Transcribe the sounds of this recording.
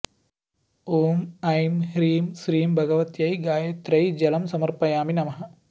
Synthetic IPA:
oːmɐjmɦɾiːmsɾiːmbʱɐɡɐʋɐt̪jɐjɡaːjet̪ɾɐjd͡ʒɐlɐmsɐmɐɾpɐjaːminɐmɐɦɐ

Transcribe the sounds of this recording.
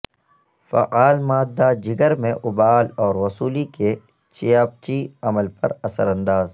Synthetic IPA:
fɐ̰ʔaːlmaːd̪ːad͡ʒɪɡəɾmẽʔʊbaːlɔːɾʋɐsuːlike | t͡ʃɪjaːp̚t͡ʃiɐməlpɐ̰ɾɐsə̰ɾɐ̃nd̪aːz

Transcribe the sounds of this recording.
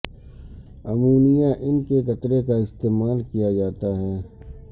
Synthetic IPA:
ɐmuːnijaʔɪnkekɐt̪ɾekaɪst̪eːmaːlkijad͡ʒaːt̪aɦɛː

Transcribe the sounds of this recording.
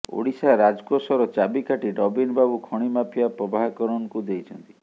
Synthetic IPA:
o̰ɽisaɾad͡ʒkɔsɔɾɔt͡ʃabikaʈiɖɔbinbabukʰɔɽ̃imapʰijapɾɔbaɦɔkɔɾɔnɔkud̪ejt͡ʃʰɔnt̪i̥

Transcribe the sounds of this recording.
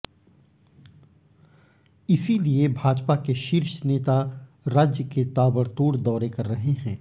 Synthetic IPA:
ɪsiliebʱaːd͡ʒpakeʃɪɾʃneːt̪a | ɾaːd͡ʒjəket̪aːbəɽt̪oːɽd̪ɔːɾekɐɾːɐɦeɦɛ̃ː

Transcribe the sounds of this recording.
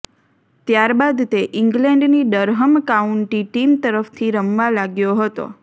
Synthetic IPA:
t̪jaɾbad̪t̪eʔɪŋɡlɛ̃ɳɖniɖəɾɦəmkauɳʈiʈimt̪əɾəft̪ʰiɾəmʋalaɡjoɦət̪o̰

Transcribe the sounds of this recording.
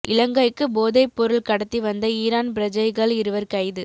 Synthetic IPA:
ʔɪlɐŋɡɐɪkːɯboːðɐɪpːɔɾɯɭkɐɽɐt̪ːiʋɐnd̪ɐiːɾaːnpɪɾɐd͡ʒɐɪɣɐɭɪɾɯʋɐɾkɐɪðɯ

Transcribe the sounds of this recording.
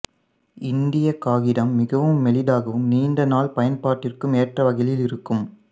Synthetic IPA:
ɪnd̪ɪjɐkaːɣɪɾɐmːɪɣɐʋɯmːɛlɪðaːɣɐʋɯmniːnɖɐnaːlpɐjɐnpaːʈːɪrkɯmeːʈrɐʋɐɣɐjɪlɪɾɯkːɯm

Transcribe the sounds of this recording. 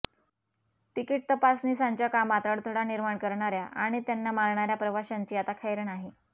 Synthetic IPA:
t̪ikiʈ̚t̪əpasnisaɲt͡ɕjakamat̪əɽt̪ʰəɽaniɾmaɳkəɾɳaɾjaʔa̰ɽ̃it̪janːamaɾɳaɾjapɾəʋaɕaɲt͡ɕiːat̪akʰajɾnaɦe

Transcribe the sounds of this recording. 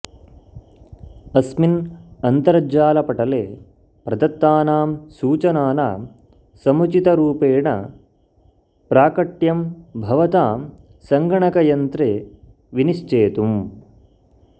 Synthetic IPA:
ɐsminɐnt̪ɐɾɐaːlɐpɐʈɐleː | pɾɐd̪ɐt̪ːaːnaːmsuːt͡ʃɐnaːnɐ̰ | sɐmut͡ʃit̪ɐɾuːpeːɳɐ̰ | pɾaːkɐʈjɐmbʱɐʋɐt̪aːm | sɐŋɡɐɳɐkɐjɐnt̪ɾeː | ʋiniʃt͡ʃeːt̪um

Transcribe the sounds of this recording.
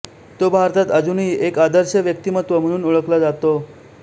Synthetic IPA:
t̪obʱaɾt̪at̪əd͡zuniːekad̪əɾɕəʋjək̚t̪imət̪ʋəm̤əɽ̃uːnuɭəklad͡zat̪o

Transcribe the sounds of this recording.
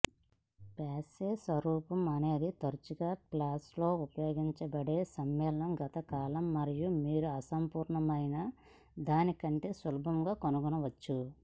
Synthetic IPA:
paːseːsʋɐɾuːpɐmɐne̞ːd̪it̪ɐɾut͡ʃuɡaːklaːslo̞ːupɐjo̞ːɡiɲt͡ʃɐbɐɽe̞ːsɐmːɛːlɐɳɐmɡɐt̪ɐkaːlɐmːɐɾijumiːɾuɐsɐmpuːɾɳɐmɐjnɐ | d̪aːnikɐɳʈe̞ːsʋɐlɐbʱɐmɡaːkonuɡunɐʋɐt͡ʃːu

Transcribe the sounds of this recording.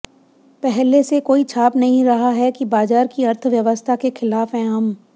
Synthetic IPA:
pɛɦlesekoːit͡ʃʰaːpnɐɦĩɾɐɦaɦɛkibaːzaːɾkiɐɾt̪ʰʋjɐʋəst̪ʰakexɪlaːfɦɛ̃ːɦɐm

